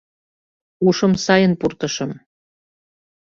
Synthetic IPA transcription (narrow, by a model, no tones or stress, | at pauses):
uʃɤ̆msɑjənpurt̪ɤ̆ʃɤ̆m